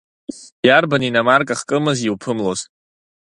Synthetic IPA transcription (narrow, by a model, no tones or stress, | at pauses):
jarbaninamarkʼaχkʼɨmɨziwpʰɨmloz